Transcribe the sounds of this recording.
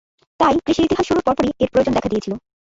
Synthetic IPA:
t̪ajkɾiʃiɾit̪iɦaʃʃoɾoɾpɔɾpoɾieɾpɾod͡ʑond̪ɛkʰad̪iet͡ɕʰilo

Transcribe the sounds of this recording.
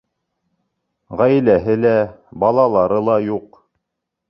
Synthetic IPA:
ʁæjlæɦɘlæbɑlˠɑlˠɑɾɤlˠɑjuq

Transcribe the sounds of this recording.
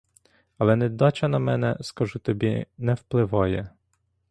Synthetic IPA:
ɐlˠɛnɛd̪ɔt͡ʃɐnɐmɛnɛskɐʒut̪ɔbʲinɛwplˠɪʋɑjɛ

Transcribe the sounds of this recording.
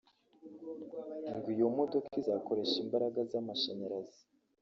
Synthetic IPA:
ŋɡijomodo̞kʰizako̞ɾe̞ʃimbaɾaɡazamaʃeɲeɾazi̥

